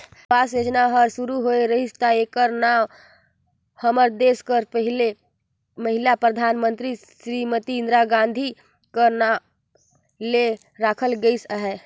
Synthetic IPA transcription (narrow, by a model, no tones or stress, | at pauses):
pasjod͡ʒnaɦəɾsuɾuɦoeɾəɦist̪aekəɾna | həməɾd̪eskəɾpəɦile | məɦilapɾəd̪ʱanmənt̪ɾi | sɾimət̪ĩːnd̪ɾaɡãnd̪ʱi | kəɾna | le | ɾakʰəlɡəɪsəɦɛ